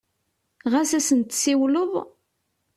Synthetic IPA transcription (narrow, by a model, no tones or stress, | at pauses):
ʁæsæsənt̪siwləðˤ